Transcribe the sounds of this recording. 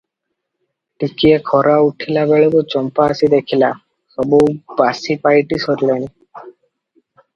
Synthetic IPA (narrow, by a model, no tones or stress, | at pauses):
ʈikiekʰɔɾauʈʰilabeɭokut͡ʃɔmpaːsid̪ekʰila | sɔbuwbasipajʈisɔɾilani